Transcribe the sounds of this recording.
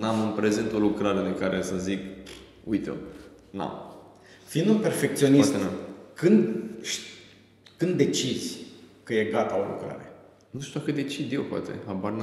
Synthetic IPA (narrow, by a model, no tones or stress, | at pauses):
namɨnpɾe̞ze̞nt̪o̞lukɾaɾed̪iŋkaɾesəzik | ujt̪ḛ | na̰ | find̪upe̞rfe̞k̚t̪sio̞nist̪nakɨnd̪ʃ | kɨnd̪ːe̞t͡ʃizʲkəje̞ɡat̪ao̞lṵkɾa̰ɾe̞̰ | nuʃt̪uakɨt̪d̪e̞t͡ʃid̪jewpoa̰t̪e̞̰abarn